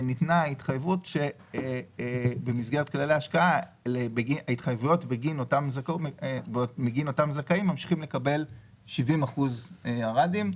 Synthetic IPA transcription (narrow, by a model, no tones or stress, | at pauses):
nitnait̪χajevutʃe̞ | bemisɡeet̪̚kalaleaʃkaalebeɡiaitχajevujo̞tbeɡinotamzako | meɡino̞tamzakaimːamʃi̥χimle̞kabe̞l | ʃivimaχuzaʁadim